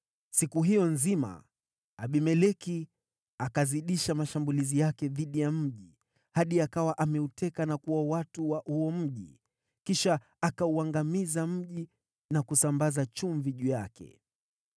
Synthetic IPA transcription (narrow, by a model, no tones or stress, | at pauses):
sikuɦijɔnzima̰ | aɓimɛlɛki | akaziɗiʃamaʃambulizijakɛðiɗijam̩ʄi | haɗiakawaʔamɛutɛkanakuwawatuwahuɔm̩ʄḭ | kiʃaː | kauaŋɡamizam̩ʄi | nakusambazat͡ʃuɱviʄujakɛ̰